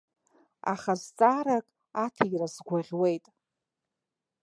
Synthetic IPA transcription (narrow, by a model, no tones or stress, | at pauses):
a̰χazt͡sʼaːɾakʼ | atʰirazɡʷaʁʲwe̞jtʼ